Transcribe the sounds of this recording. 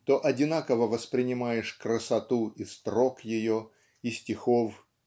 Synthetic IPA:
t̪oʔɐdʲɪnakəvəvəspɾʲɪnʲɪmajɪʂkɾəsɐt̪uist̪ɾokjɪjo | isʲtʲɪxof

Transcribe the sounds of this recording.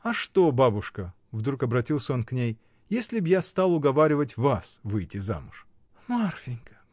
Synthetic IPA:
ɐʂt̪o̞babʊʂkə | vd̪ɾukɐbɾɐtʲilˠsʲəo̞nknʲej | jesʲlʲɪbjast̪alˠʊɡɐvaɾʲɪvətʲvasvɨjtʲɪza̰mʊʂ | marfʲɪnʲkə̥

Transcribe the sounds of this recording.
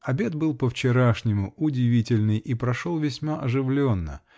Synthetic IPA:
ɐbʲe̞t̪bɨlˠpəft͡ɕɪɾaʂnʲɪmʊʊdʲɪvʲitʲɪlʲnɨjipɾɐʂolˠvʲɪsʲmaʔɐʐɨvlʲonːə̰

